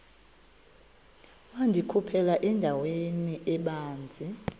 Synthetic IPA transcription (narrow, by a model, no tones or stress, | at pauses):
wandʱikʰupʰɛlaʔɛndʱaweniʔɛɓaːnd͡zʱi